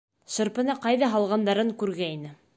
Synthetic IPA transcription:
ʃɤ̆ɾpɤ̆nɑqɑjðɑɦɑlˠʁɑnd̪ɑɾɤŋkʉɾɡæinɘ

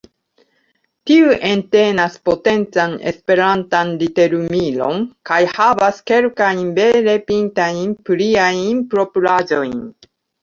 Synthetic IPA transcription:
tiuʔe̞ntenaspo̞te̞nt͡sane̞̰spe̞ɾantanlite̞ɾumilo̞̰nkajhavaske̞lkajnbe̞le̞pintajnpɾiajnpɾo̞pulad͡ʒo̞jn

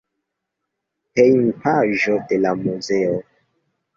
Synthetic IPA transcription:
pejnpaʒode̞lamuzeo

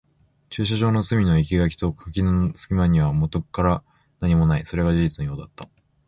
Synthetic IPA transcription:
t͡ɕɨːɕ̬aʑo̞ːno̞sɨmʲino̞ik̬ʲiɡakʲi̥t̪o̞kʰɯkʲinosɨ̥kʲimaɲ̟iβamo̞t̪okɯ̥kːaɾa | naɲ̟imo̞naiso̞ɾe̞ɡad͡ʑiʑit͡sɨno̞jo̞ːd̪at̪ːa

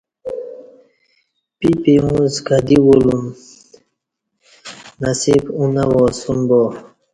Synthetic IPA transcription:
pipeũzkad̪iwolum | nasibunawɔsunbo

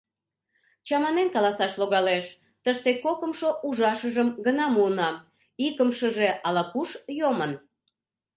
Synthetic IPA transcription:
t͡ɕɑmɑnenkɑlɑsɑʃloɣɑleʃ | t̪əʃt̪ekokəmʃoʔuʒɑʃəʒəmɡənɑmuənɑ | ikəmʃəʒeʔɑlɑkuʃjomən

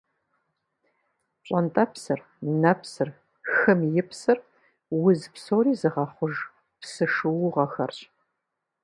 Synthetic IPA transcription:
ɕʼɐntʼɐpsɨr | nɐpsɨr | xɨmjɪpsɨr | wʊzpsoːɾiːzɨʁɑχʷʊʒ | psɨʂɨwʊʁɐxɐ̰rɕʼ

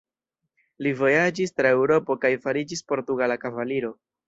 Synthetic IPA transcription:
livo̞jad͡ʒistɾae̞wɾo̞po̞kajfaɾid͡ʒispo̞ɾtuɡalakavaliɾo̞

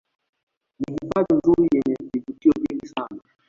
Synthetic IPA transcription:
nihifaðin̩zuɾijɛɲɛvivutiɔviŋɡisana

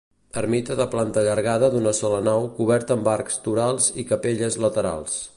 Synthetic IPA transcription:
əɾmit̪əðəplant̪əʎəɾɣað̞əd̪unəsɔlənawkuβɛɾt̪əːmbaɾkst̪uɾalˠzikəpeʎəzlət̪əɾa̰lˠs

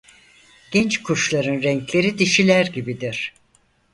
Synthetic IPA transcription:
ɟ̥ɛnt͡ʃkʰuɾʃlˠaɾɯnɾɛɲclʲe̞ɾid̪iʃilʲæɾɟibid̪iɾ̥

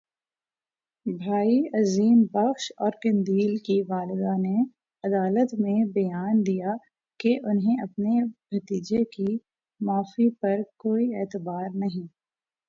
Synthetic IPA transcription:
bʱaːiɐziːmbɐxʃɔːɾkɐ̃nd̪iːlkiʋaːlɪd̪ane | ɐd̪aːlət̪mẽbɐjaːnd̪ija | keʔʊnɦẽɐpnebʱɐt̪iːd͡ʒeki | maːfipɐɾkoːieːt̪əbaːɾnɐɦĩː

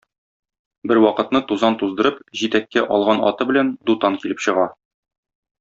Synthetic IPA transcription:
bɘɾwɒqɤ̆t̪nɤt̪uzɑnt̪uzd̪ɤ̆ɾɤpʑit̪ækːæʔɒlˠʁɑnɒ̰t̪ɤbɘ̆lænd̪ut̪ɑŋkilɘpɕɤ̆ʁɑ

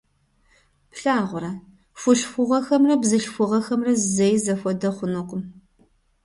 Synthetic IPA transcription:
pɬaːʁʷʊɾɐ | fʷʊʃfʷʊʁɐxɐmrɐbzɨʃfʷʊʁɐxɐmrɐzzejzɐfʷɔdɐχʷʊnoqʷʼʊm

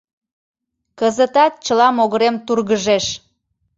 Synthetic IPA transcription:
kəzət̪ɑt̪̚t͡ɕəlɑmoɣəɾemt̪urɣəʒeʃ

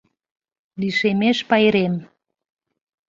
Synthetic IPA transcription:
liʃemeʃpɑjɾem

